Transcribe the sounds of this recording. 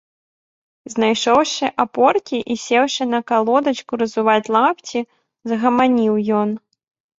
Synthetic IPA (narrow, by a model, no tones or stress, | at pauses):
znajʂɔwʂɨʔapɔrkʲiʔisʲɛwʂɨnɐkalˠɔd̪ɐt͡ʃkuɾɐzuvat͡sʲlˠapt͡sʲi | zɐɣɐmanʲiwjɔn